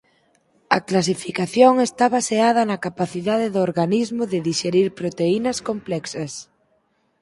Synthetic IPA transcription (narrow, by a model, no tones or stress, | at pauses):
ɐklas̬ifikaθjoŋest̪aβaseaðɐnɐkapaθiðaðɪðʊoɾɣanizmʊðɪðiʃeɾiɾpɾot̪einɐskomplɛksɐs